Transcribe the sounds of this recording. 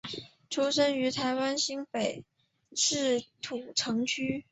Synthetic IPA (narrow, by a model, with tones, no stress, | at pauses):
ʈ͡ʂʰu˥ʂə˥ŋy˧˥t̪ʰa˧˥ɪwa˥nɕi˥ŋpe˨˩ɪ | ʂɻ̩˥˩t̪ʰu˨˩ʈ͡ʂʰɤ˧˥ŋt͡ɕʰy˥